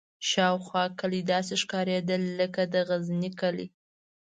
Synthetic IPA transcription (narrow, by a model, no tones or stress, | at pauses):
ʃɑwxwɑkəlid̪ɑs̬eʃkɑɾed̪əlːəkad̪əɣaznikəlḭ